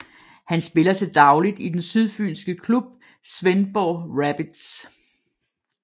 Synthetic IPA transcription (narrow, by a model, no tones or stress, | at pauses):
hænsb̥e̝lɐsʰɑ̈d̥ɑ̈ʊlid̥id̥ensyðˠfy̰ːlsɡ̥əkʰlub̥̚ | sʋenb̥ɒːʁæb̥id̥s